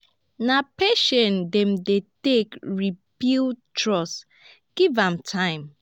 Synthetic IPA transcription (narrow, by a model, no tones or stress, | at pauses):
napeʃɔ̃ndɛ̃mdetekɹibiltʰɹɔs | ɡ̥ivãmtʰãɪ̃m